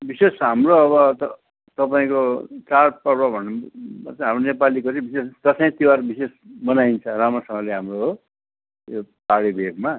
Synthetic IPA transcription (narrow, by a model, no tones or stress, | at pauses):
bisesɦamroʌβʌt̪ʌ | t̪ʌpaĩkot͡sarpʌrbabʱʌnːat͡sʌ̃ɦamronepalikoɾibisest̪ʌsʌĩt̪iwarbisesbʌnaint͡sʰʌramʌsʌŋɡʌleɦamroɦ | jopaɽibʱeɡma